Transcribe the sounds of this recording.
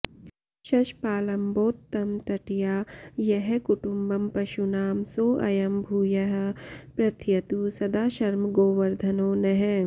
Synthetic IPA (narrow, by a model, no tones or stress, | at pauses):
ʃɐʃpaːlɐmboːt̪ːɐmt̪ɐʈijaːjɐɦɛkuʈumbɐmpɐʃunaːmsoːʔɐ̰jɐmbʱuːjɐɦ̆pɾɐt̪ʰjɐt̪usɐd̪aːʃɐɾmɡoːʋɐɾd̪ʱɐnoːnɐɦɛ̃